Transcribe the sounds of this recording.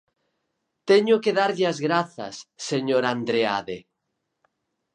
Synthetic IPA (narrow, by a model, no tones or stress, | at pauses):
t̪eɲokeðaɾʎazɣɾaθa̰sːeɲoɾand̪ɾeaðe